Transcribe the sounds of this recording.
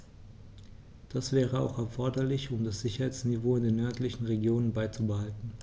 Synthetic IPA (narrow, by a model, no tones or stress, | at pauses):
d̥asv̥ɛːʁəa̰ʊxɛɐfɔɐdɐlɪçʊmdasz̥ɪçɐɦaɪt͡snivoːɪndeːnːœɐtlɪçn̩ʁeɡjoːnənbaɪt͡subəhaltn̩